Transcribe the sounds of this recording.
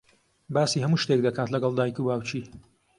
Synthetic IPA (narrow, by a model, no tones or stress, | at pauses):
baːsiːhɐmuːʃt̪ek̚d̪ɐkʰaːt̪lɐɡɐlˠd̪aːjikubaːwt͡ʃʰiː